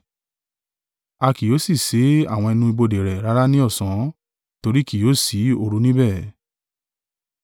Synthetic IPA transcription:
a˧ki˨jo˨˦si˦˨se˨˦a̰˦˨w̃ɔ̃˧ɛ˧nũ˧i˧bo˧de˨ɾɛ˨ɾa˦ɾa˦nĩ˦ɔ˦˨sã˨˦ | to˧ɾi˦ki˦joː˦˨si˨˦o˧ɾu˧nĩ˦bɛ˦˨

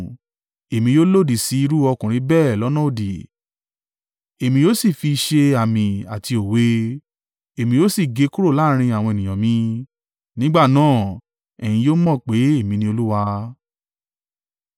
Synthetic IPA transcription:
e˨mĩ˧joː˦lo˦˨di˨si˨˦i˧ɾu˦ɔ˧kũ˨ɾ̃ĩ˧˦bɛː˦˨lɔ˨˦nɔ̃˦o˨di˨ | e˨mĩ˧joː˦si˦˨fi˧ʃe˧a˨mĩ˨a˨ti˧o˨we˧˦ | e˨mĩ˧joː˦si˦˨ɡe˧˦ku˦ɾo˦˨laː˦ɾ̃ĩ˧a˨w̃ɔ̃˧e˨nĩ˨j̃ɔ̃˨mĩ˧˦ | nĩ˦ɡ͡ba˦˨nãː˦˨ | ɛ˨j̃ĩ˧joː˦mɔ̃˦˨k͡pe˨˦e˦˨mĩ˧nĩ˧˦o˧lu˦wa˧

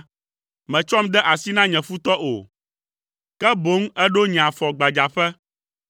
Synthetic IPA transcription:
mɛ̃˨t͡ʃɔ˦md̪ɛ˦ʔa˨si˦nã˦ɲɛ̃˨fu˦t̪ɔ˦ʔo̰˨ | kɛ˦bo˨˦ŋ˦ɛ˦ɖo˦ɲ˨ã˨fɔ˨ɡ͡ba˨d͡ʒa˨ɸɛ˦

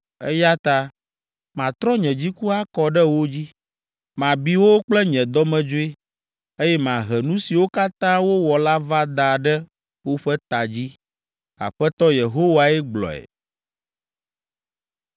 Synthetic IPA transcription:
ɛ˦ja˦t̪a˦ | mã˨t̪ɾɔ˦ɲɛ̃˨d͡ʑi˦ku˦a˦kɔ˨ɖɛ˦wo˦d͡ʑi˦ | mã˨bi˦wo˦k͡plɛ˦ɲɛ̃˨d̪ɔ˦mɛ̃˨d͡ʒo˦e˦ | e˦jɛ˦mã˨ɦɛ˨nũ˦si˨wo˦ka˦t̪ã˦wo˦wɔ˨la˦va˦d̪a˨ɖɛ˦ | wo˦ɸɛ˦t̪a˨d͡ʑi˦ | a̰˨ɸɛ˦t̪ɔ˦je˨ɦo˦wa˨ɛ˦ɡ͡blɔ̰˨ɛ̰˨

